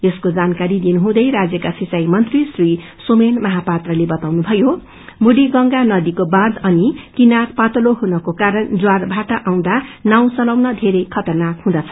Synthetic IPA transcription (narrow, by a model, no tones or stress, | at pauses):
eskod͡zankaɾid̪inuɦũd̪ʌjɾad͡zjʌkasit͡sajmʌnt̪risri | somenmʌɦapat̪rʌlebʌt̪awnubʱʌjo | muɽiɡʌŋɡanʌd̪ikobãd͡zʌnikinarpat̪ʌloɦunʌkokaɾʌnd͡zwarbʱaʈʌʔaw̃d̪anaw̃t͡sʌlawnʌd̪ʱeɾʌjkʰʌt̪ʌnakhũd̪ʌt͡sʰʌ̥